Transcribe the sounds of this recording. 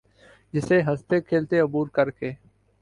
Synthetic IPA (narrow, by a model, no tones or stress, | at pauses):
d͡ʒɪseːɦəst̪eːkʰeːlt̪eːʊbuːɾkəɾkeː